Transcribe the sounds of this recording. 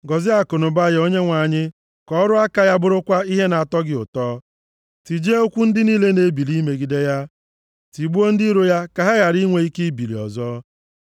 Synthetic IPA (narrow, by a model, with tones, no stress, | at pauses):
ɡɔ˨zɪ˦a˨kʊ˨nʊ˨ba˦jo˦ɲe˦ŋʷa˨ɲɪ˦ | kɔ˦ɾʊ˦a˦ka˦ja˦bʊ˦ɾʊ˦kʷa˦i˦ɦe˦na˨tɔ˦ɡɪ˦ʊ̰˨tɔː˦ | ti˨d͡ʒe˦o˦kʷu˦n̩˦dɪ˦niː˦le˦ne˨˦bi˨li˦me˨ɡi˨de˦ja˦ | ti˨ɡ͡bu˦o˦n̩˦di˦ɾo˦ja˦ka˨ɦa˦ɣa˨ɾi˦ŋʷe˨i˦ke˦i˦bi˨lḭ˨ɔ̰˨zɔː˦